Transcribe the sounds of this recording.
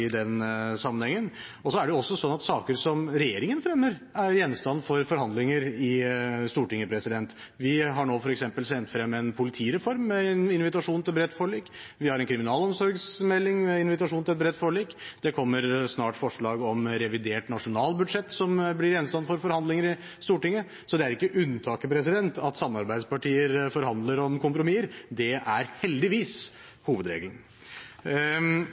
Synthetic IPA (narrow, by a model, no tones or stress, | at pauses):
ɪd̪ɛnsɑmːənhɛŋːən | ɔsɔæɖɛjʊɔsːɔsɔnːɑt̪sɑːkəɾsɔmɾɛjeːɾɪŋənfɾɛmːəɾæɾjɛnst̪ɑnːfɔɾfɔɾhɑnd̪lɪŋəɾɪst̪uːʈɪŋːəpʰɾɛsɪd̪ɛnt̪ | ʋɪɦɑɳoːfɔɾɛksɛmpəlsɛnt̪fɾɛmːɛnpʰʊlɪt̪ʰiːɾɛfɔɾmːɛnɪnʋɪt̪ɑʂuːnt̪ʰɪlbɾɛt̪ːfoːɭiːk | ʋɪhɑɾɛnkʰɾɪmɪnɑːlɔmsɔɾɡsmɛlːɪŋmɛɪnʋɪt̪ɑʂuːnʰɪlɛt̪̚bɾɛt̪ːfoːɭiːkd̪̥ɛkʰɔmːəɾsnɑːʈfɔʂɭɑːɡɔmɾɛʋɪd̪eːʈnɑʂʊnɑːlbʉd̪ʂɛt̪ːsɔmblɪɾɛnst̪ɑnfɔɾfɔɾhɑnd̪lɪŋəɾɪ | st̪uːʈɪŋːə | sɔd̪ɛæɾɪkːəʔʉnt̪ʰɑːkəpʰɾɛs̬ɪd̪ɛnt̪ʰɑt̪sɑmːɑɾbæɪd̪spɑʈiːəɾfɔɾhɑnd̪ləɾɔmkʊmpɾʊmiːəɾd̪ɛʔæɾhɛld̪ɪʋiːs | huːʋəd̪ɾḛɡlən